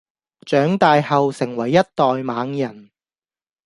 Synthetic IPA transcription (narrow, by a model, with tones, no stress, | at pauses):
t͡ʃœː˨˥ŋt̪aː˨˧jhɐ˨wsɪ˨˩ŋwɐ˨˩jːɐ˥t̚t̪ɔː˨jmaː˨˧˥ŋjɐ˨˩n